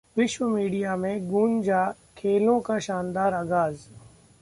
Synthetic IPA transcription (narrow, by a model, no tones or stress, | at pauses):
ʋɪʃwəmiːɖijamẽɡuːnd͡ʒaː | kʰeːlõkaʃaːnd̪aːɾɐɡaːz